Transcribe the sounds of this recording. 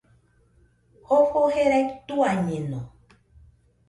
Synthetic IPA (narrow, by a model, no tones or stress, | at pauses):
hofoheɾɛktuaɲenɔ